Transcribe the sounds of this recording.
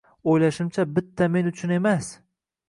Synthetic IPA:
ojlaʃɪmt͡ʃʰabɪt̪ʰːame̞nʊt͡ʃʰʊne̞mas

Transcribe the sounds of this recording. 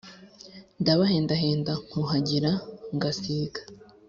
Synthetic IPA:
ndaβaɦeːndaɦeːndaŋ̥huɦaɟiɾaŋɡasiːɡḁ

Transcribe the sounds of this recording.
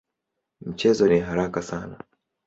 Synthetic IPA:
m̩t͡ʃɛzɔniɦaɾakasana

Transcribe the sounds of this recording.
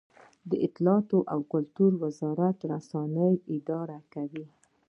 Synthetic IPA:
d̪əʔɪt̪lɑt̪oʔawkʊlt̪uɾwɪzɑɾat̪ɾasɑnəjɪd̪ɑɾakawi

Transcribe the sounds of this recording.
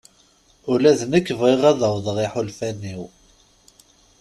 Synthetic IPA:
ʊlæðnəkːəvʁeʁæðɑwðˤʁiħulfænːiw

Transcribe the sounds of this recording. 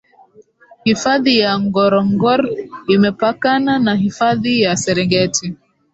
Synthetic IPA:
hifaðijaŋɡɔɾɔŋɡɔɾimɛpakananaɦifaðijasɛɾɛŋɡɛti

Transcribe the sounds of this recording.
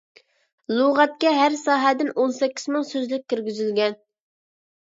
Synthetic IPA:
lˠuʁɛt̪̚kʲɛɦæɾsɑːɦɛd̪ɪnʔonsɛkʲːiz̥mɪŋsøzlɪk̚ʲːyɾɡʲyzylɡʲɛn

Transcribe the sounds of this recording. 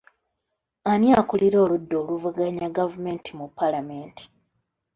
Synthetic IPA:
anjakuliɾo̞ːludːo̞ːluvuɡaɲaɡavume̞ːntʰimupːalame̞ːntʰi̥

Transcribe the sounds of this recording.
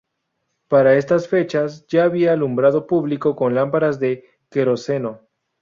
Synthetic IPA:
paɾae̞s̬t̪asfe̞t͡ʃasd͡ʒaːβiaːlumbɾað̞o̞puβliko̞ko̞nlampaɾazðe̞ | ke̞ɾo̞se̞no̞

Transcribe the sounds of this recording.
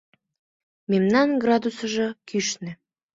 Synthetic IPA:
memnɑnɡrɑd̪usə̆ʒɤ̆kyʃnĕ

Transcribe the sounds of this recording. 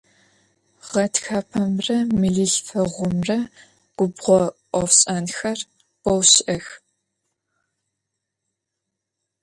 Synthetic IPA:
ʁɐtxaːpʰɐmrɐmɨɮɨɬfɐʁʷʊmrɐ | ɡ̥ʷʊbʁʷɔʔʷɔfɕʼɐnxɐr | b̥ʷɔwɕʔɐx

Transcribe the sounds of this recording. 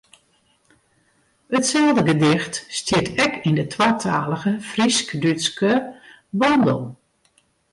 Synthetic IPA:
ətsɛlˠdəɡədɪxtstjɪtʰɛkindətʰwatʰaːləɣəfriskdyskə | bɔndə̰lˠ

